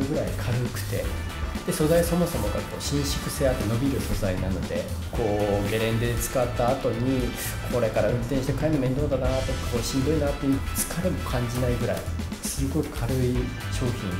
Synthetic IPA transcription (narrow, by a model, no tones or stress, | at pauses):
ɯɡɯ̟ɾaikʰaɾɯkɯ̟̥t̪e̞̰ | d̪̥e̞so̞zaiso̞mo̞so̞mo̞ka̰ko̞ːɕĩɰ̃ɕi̥kɯ̟seat̪ːeno̞bʲiɾɯ̟so̞zainano̞d̪e̞ko̞ːɡe̞ɾẽ̞nd̪et͡sɨ̥kat̪ːaːt̪o̞ɲ̟i | ko̞ɾe̞kaɾaɯ̟̃nt̪ẽɕit̪ekʰaenome̞nd̪o̞nd̪anat̪ːokːḁkoːɕĩnd̪einat̪ːejɯt͡sɨ̥kʰaɾemo̞kʰãɲ̟d͡ʑinaiɡɯ̟ɾa̰ḭ | sɨɡo̞ikʰaɾoi | ɕo̞ːçʲĩn